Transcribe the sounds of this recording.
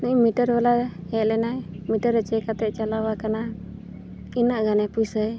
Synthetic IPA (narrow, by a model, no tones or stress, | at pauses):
nuimiʈəɾwɛlahɛlɛnaj | miʈəɾət͡ʃɛkat̪ɛʔt͡ʃalawakana | inaʔɡanapujsəj